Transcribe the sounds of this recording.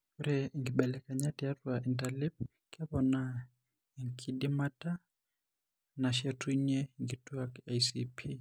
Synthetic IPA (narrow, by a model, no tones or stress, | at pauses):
uɾɛŋɡiɓɛlɛkaɲatiatwaʔintalip̚ | kʰɛβɔna | iŋkʰidimatʼa | naʃɛtʰʼuɲɛŋɡitʼuakajsipʰi